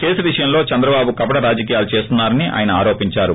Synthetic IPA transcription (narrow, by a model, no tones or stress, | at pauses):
keːsuʋiʂɐjɐmlo̞ːt͡ʃɐnd̪ɾɐbaːbukɐbɐɽɐɾaːd͡ʒɐk̬iːjaːlut͡ʃe̞ːst̪unːaːɾɐniʔa̰ːjɐnɐaːɾo̞ːpiɲt͡ʃaːɾu